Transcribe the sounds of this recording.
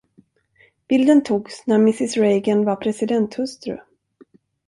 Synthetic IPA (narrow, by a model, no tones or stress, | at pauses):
b̥ɪld̪ənt̪ʰuːɡsnæɾmɪsɪsɾejɡənvaɾpʰɾɛsɪd̪ɛnt̪hɵst̪ɾɵ̰